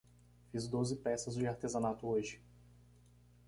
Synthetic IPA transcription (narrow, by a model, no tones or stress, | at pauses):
fizd̪ozɪpɛsɐzd͡ʒɪaɾt̪ezɐnat̪ʊoʒɪ